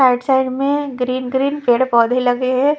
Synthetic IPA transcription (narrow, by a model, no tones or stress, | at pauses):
aːɪʈsaɪɖmẽɡɾiːnɡɾiːnpeːɽpɔːd̪ʱilɐɡeɦɛ